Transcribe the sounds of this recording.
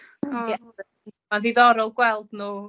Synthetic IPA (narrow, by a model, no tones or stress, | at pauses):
ɛ | manðiðɔɾɔlˠɡwɛlˠdnuː